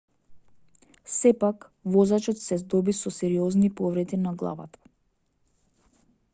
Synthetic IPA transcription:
sɛpak | vɔzat͡ʃɔt̪sɛzd̪ɔbisɔsɛɾiɔznipɔvɾɛd̪inaɡlˠa̰va̰t̪ḁ

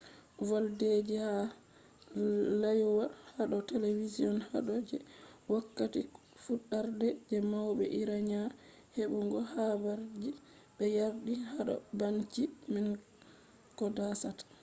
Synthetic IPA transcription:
valded͡ʒiha | lajwahaɗɔteleviziɔnha̰ɗɔd͡ʒɛwakːati | fuɗːaɾdɛd͡ʒɛmawbɛ̰ʔiɾaɲa | heɓuŋɡɔhabaɾd͡ʒi | bɛjaɾɗihaɗɔ̰bant͡ʃimin | kɔdasatḁ

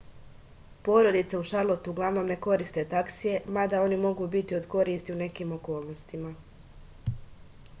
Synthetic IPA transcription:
po̞ɾo̞d̪it̪seuʃaɾlˠot̪uuɡlˠaʋno̞ːmne̞ko̞ɾist̪e̞t̪aksije̞mad̪ao̞nimo̞ɡuːbit̪io̞d̪ko̞ɾiːst̪iune̞kiːmo̞ko̞ːlˠnost̪ima

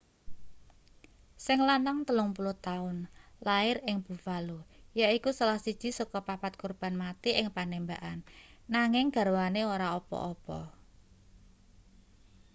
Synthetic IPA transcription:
sɪŋlanaŋt̪əlʊŋpuluht̪aʊnlaɪrɪŋb̥ṳfalujaikusalahsid̥ʒ̥i̤sɔkɔpapat̪̚kurb̥a̤nmat̪iʔɪŋpanembaʔanːaŋɪŋɡ̥a̤ɾwaneoɾaɔpɔ̰ʔɔpɔ̰

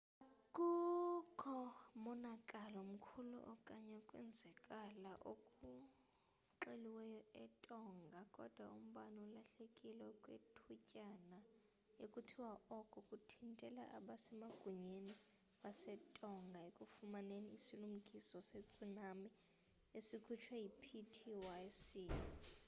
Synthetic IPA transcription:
kʼukʰɔmɔnakʼalɔm̩kʰulṵʔɔkʼaɲakʼwɛ̰nd͡zʱɛkʼalaʔokʼu | ǁeliwɛjɔɛtʼɔŋɡʱakʼɔd̥ʱwaum̩ɓanɔulaɬekʼilɛkʼwḛtʰucʼana | jekʼutʰiwaʔɔkʼɔkʼutʰintʼɛla̰ʔaɓasɛmaɡ̥ʱuɲeni | ɓasɛtʼɔŋɡʱaekʼufumaneniːsilum̩kʼisɔset͡sʼunami | esikʰut͡ʃʰwajipʰitʰiwasiːnɔ

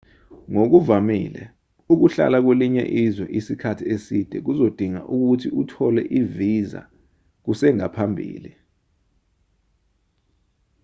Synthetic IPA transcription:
ŋok̬uvamḭlɛ | uk̬uɬa̰lak̬weliɲɛ̰ʔizwɛʔisikʰatʰiesid̥ʱɛk̬uzod̥ʱiŋa̰ʔuk̬utʰiutʰɔlɛ̰ʔiviza̰ | k̬usɛŋapʰambʱḭːli

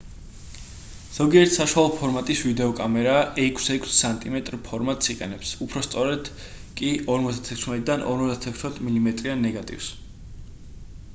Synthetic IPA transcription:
z̥ɔɡiɛɾt̪ʰsaʃwalˠɔpʰɔɾmat̪ʼisvid̪ɛɔkʼamɛɾaɛkʷʰsɛkʰsːant̪ʼimɛt̪ʼɾpʰɔɾmat̪ʼsiqʼɛ̰nɛpsupʰɾɔst̪sʼɔɾɛd̪̥ | kʼiɔɾmɔt̪zd̪at̪ʰɛkʰsmɛt̪ʼid̪anʔɔ̰ɾmɔzd̪at̪ʰɛkʰsmɛt̪ʰmilimɛt̪ʼɾianːɛɡat̪ʼḭfs

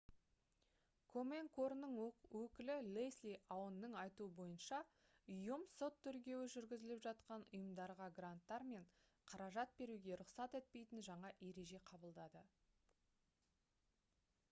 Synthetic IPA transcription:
kʰo̞me̞ŋkʰo̞rnːəɴwɵkʲɪlɪlejslijʔawənːəɴɑjt̪uəbo̞jənʃɑ | ʊjəmso̞t̪ʰːʏɾkʲe̞wɪʒʏɾɡʲɪzɪlɪpʒɑt̪qɑnʊ̰jəmd̪ɑɾʁɑɡrant̪ːɑɾme̞ɴ | qʰɑɾɑʒɑt̪̚be̞ɾuɡʲe̞ɾʊqsɑt̪e̞t̪̚pe̞jt̪ɪnʒɑɴɑʔe̞ɾe̞ʒe̞qʰɑbəlˠd̪ɑd̪ə

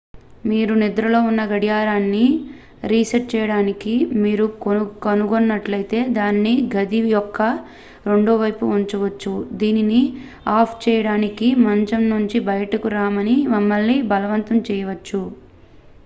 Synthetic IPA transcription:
miːɾunid̪ɾɐlo̞ːunːɐɡɐɽjaːɾaːnːi | ɾiːsɐʈ̚t͡ʃɛːjɐɽaːnikimiːɾukɐnuɡonːɐʈlɐjt̪e̞ːd̪aːnːiɡɐd̪ijɔkːɐ | ɾe̞ɳɖoːʋɐjpuuɲt͡ʃɐʋɐt͡ʃːud̪iːnini | aːpʰt͡ʃɛːjɐɽaːnikimɐɲt͡ʃɐmnuɲt͡ʃibɐjɐʈɐkuɾaːmɐnimɐmːɐlːibɐlɐʋɐnt̪ɐmt͡ʃɛːjɐʋɐt͡ʃːu

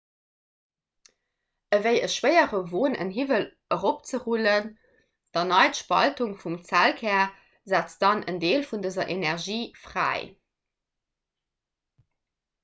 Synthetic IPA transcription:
əvəɪəʃwəɪəʁəvoːnə̰nɦivəl | əʁop̚t͡səʁulən | d̥ɑnɑɪtʃpɑ̰ltuŋfumt͡sælkʰɛːɐ | zæːt͡sd̥ɑnʔə̰ndeːlfundəzɐʔenɛʁʒiːfʁæ̰ːɪ

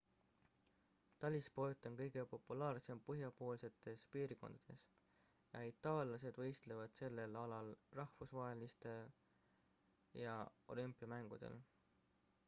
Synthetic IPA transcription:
t̪ɑlʲispo̞jt̪ːˑo̞nkɤjɡe̞po̞pːˑulɑːrse̞mpɤɦjɑpo̞ːlse̞t̪ːˑe̞spiːɾko̞̰nd̪̥ɑd̪̥e̞s | jɑ̰it̪ːˑɑːlɑse̞d̪̥vɤjst̪levɑd̪̥se̞lːe̞lɑlɑlrɑhfusvɑɦe̞list̪e̞l | jɑo̞̰lympːˑiɑmæŋɡ̥ud̪̥e̞̰l

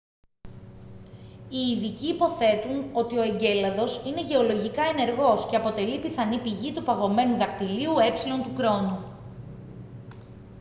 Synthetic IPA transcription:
iːðiciːpo̞θe̞t̪uno̞t̪ioe̞ɲɟe̞lɐðo̞sine̞ʝe̞o̞lo̞ʝikɐe̞ne̞ɾɣo̞sce̞ɐpo̞t̪e̞lipiθɐnipiʝit̪upɐɣo̞me̞nuðɐkt̪iliue̞psilo̞nt̪ukɾo̞nu

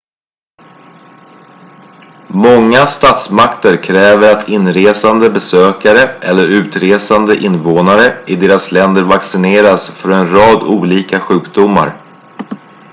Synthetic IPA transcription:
mɔŋːast̪ɑːt̪smakt̪əɾkʰɾɛːvəɾat̪ʰɪnɾeːsand̪əbɛsøːkaɾəʔɛlːəɾʉ̟ːt̪ɾeːsand̪əʔɪnvoːnaɾəɪd̪eːɾaslɛnd̪əɾvaksɪneːɾasfœɾɛnɾɑːd̪uːliːkaɧʉ̟ːkd̪ʊmːa̰ɾ

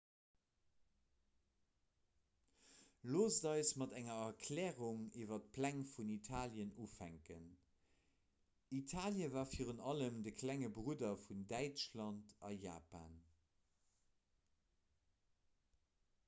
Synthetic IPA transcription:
loːzədɑɪsmɑtæŋɐɐkʰlɛːʁuŋiːvɐt̚pʰlæŋfunitʰaːljənufæŋkən | itʰaːljəvaːfiːʁəntɑləmdəkʰlæŋəbʁudɐfundæɪt͡ʃlɑntʰɑja̰ːpa̰ːn

